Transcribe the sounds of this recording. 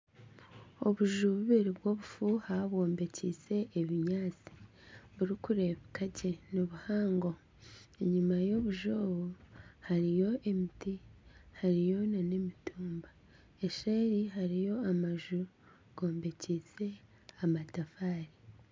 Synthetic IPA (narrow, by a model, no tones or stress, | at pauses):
o̞βuʒuβuβiɾiβwo̞βufuhaβo̞ːmbe̞cise̞ʔːβiɲaːt͡si̥ | βuɾikuɾe̞βikaɟe̞noβuhaːŋɡo̞ | eɲumajo̞βuʒoβohaɾijo̞ʔemitihaɾijo̞nanemitʰuːmba | eʃeːɾiɦaɾijo̞amaʒu | ɡ̥o̞ːmbe̞cit͡se̞ | amatafaːɾi